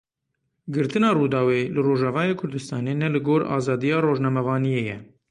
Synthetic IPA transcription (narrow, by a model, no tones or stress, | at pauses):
ɡɨɾt̪ɨnɑːruːd̪ɑːweːlɨroːʒɑvɑːjeːkʰʊɾd̪ɨst̪ɑːneːnɛlɨɡoːɾɑ̰ːzɑːd̪ijɑːroːʒnɛmɛvɑːnijeːjɛ